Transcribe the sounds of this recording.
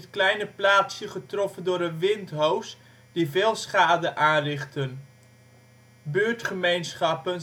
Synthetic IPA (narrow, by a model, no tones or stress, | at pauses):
tklɛjnəplaːtsjəχətrɔfəndʊːɾənʋɪntɦows | d̥ivɪːlˠsχaːdəʔaːnrɪχtən | bøːɹtχəmejnsχɑpən